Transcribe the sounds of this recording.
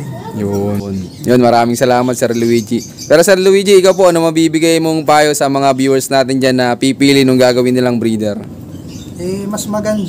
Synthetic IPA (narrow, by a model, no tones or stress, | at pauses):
jon | jonmɐɾaːmɪŋsɐlaːmɐt̪̚sɛɾlʊwid͡ʒi | pɛːɾo̞sɛɾlʊwid͡ʒiɪkawp̬o̞ʔɐnomɐbiːbɪɡajmoŋpaːjosɐmɐŋabjuːwɛɹsnaːt̪ɪnd͡ʒanːɐpipiːlɪnʊŋɡaːɡɐwɪnːɪlɐŋbɾiːd̪ɛɾ | ɛmɐsmɐɡɐnd̪